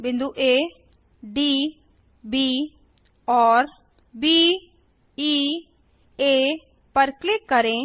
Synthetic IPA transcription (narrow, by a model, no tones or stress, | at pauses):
bɪ̃nd̪uʔeː | ɖi | bi | ɔːɾ | bi | i | eː | pɐɾklɪkːəɾẽ